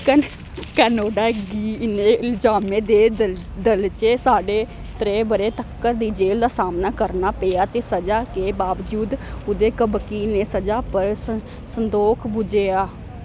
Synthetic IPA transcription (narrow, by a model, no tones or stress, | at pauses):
k | kaːnoːɖaːɡiːneːɪld͡ʒaːmẽːd̪eː | d̪əlt͡ʃeːsaːɖeː | t̪ɾeːbəɾeːt̪əkːəɾd̪iːd͡ʒeːld̪aːsaːmnaːkəɾnaːpejaːt̪eːsəd͡ʒaːkeːbaːʋd͡ʒuːd̪ʊd̪eːkəbkiːneːsəd͡ʒaːpəɾə | sənd̪oːkʰbʊd͡ʒeːaː